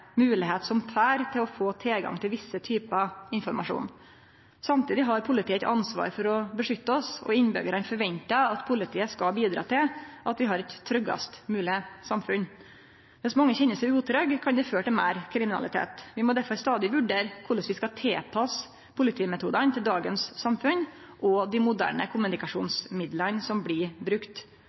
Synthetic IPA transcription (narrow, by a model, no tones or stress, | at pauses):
mʉːlɪɦeːt̪sɔmt̪ʰæːɾt̪ʰɪlɔfoːt̪ʰelɡɑ̰ŋt̪ʰɪlʋɪsːət̪ʰyːpɑɪnfɔɾmɑʂṵːn | sɑmt̪ʰiːd̪ɪɦɑɾpʰʊlɪt̪ʰiːɛt̪ɑnsʋɑ̰ːɾfɔɾɔbəʂʏt̪ːəɔsɔ̰ɪnbʏ̰ɡəɾɑnfɔɾʋɛnt̪ɑɑt̪pʰʊlɪt̪ʰiːəskɑlbiːd̪ɾɑ̰ːt̪ʰɪlʔɑt̪ʋɪɦɑɾɛt̪ʰːɾʏɡɑ̰st̪mʉːlɪəsɑmfʉn | ʋɛsmɑŋːəçɛnːəsɛʉːt̪ʰɾœɡkʰɑnd̪ɪføːʈɪlmæ̰ɪɾkʰɾɪmɪnɑ̰lɪt̪ʰḛːt̪ʋɪmɔd̪æɾfɔɾst̪ɑːd̪ɪʋʉɖeːɾkʰʊɭəsʋɪskɑt̪ʰeːpʰɑs | pʰʊlɪt̪ʰiːmɛt̪ʰuːd̪ənt̪ʰɪld̪ɑːɡənsːɑmfʉn | ʔɔd̪ɪmʊd̪æ̰ːɳə̰kʰʊmːʉnɪkɑʂṵːnsmɪd̪lənsɔmblɪbɾʉkt̪